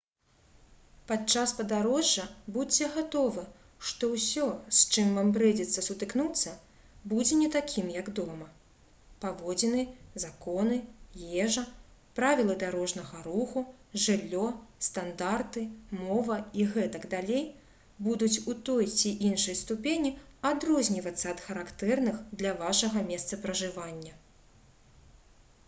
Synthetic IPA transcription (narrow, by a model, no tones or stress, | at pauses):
pat̪t͡ʂaspɐd̪aɾɔʐːɐbut͡sʲːɛɣat̪ɔvɨ | ʂt̪ɔwsʲɔst͡ʂɨmvambɾɛd͡zʲɛt̪sːɐsut̪ɨknut̪sːɐ | bud͡zʲɛnʲɛt̪akʲʰimjɐɡd̪ɔmɐ | pavɔd͡zʲɛnɨzakɔnɨjɛʐɐpɾavʲilˠɨd̪aɾɔʐnɐɣɐɾuxuʐɨlʲːɔst̪and̪art̪ɨmɔvɐiɣɛt̪ɐɡd̪alʲej | bud̪ut͡sʲut̪ɔjt͡sʲiʔinʂɐjst̪upʲenʲiad̪ɾɔzʲnʲivɐt̪sːɐːt̪xɐɾakt̪ɛrnɨxd̪lʲɐvaʂɐɣɐmʲɛst̪sɐpɾɐʐɨvanʲːɐ